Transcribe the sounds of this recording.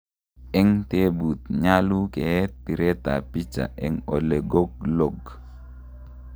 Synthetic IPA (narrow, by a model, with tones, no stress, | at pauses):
ɛ˦ŋte˦bu˨t̪ɲa˦lu˦kɛ˨t̚pi˨ɾe˦ta̰˨pi˦t͡ʃa̰˨ɛ˨ŋo˨le˨ɡo˦k̚lo˨ɡ